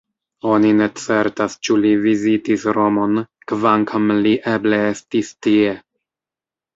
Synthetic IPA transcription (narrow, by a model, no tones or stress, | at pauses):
o̞nine̞t͡se̞ɾtast͡ʃulivizitisɾo̞mo̞n | kvaŋkʰamliʔeble̞estistie̞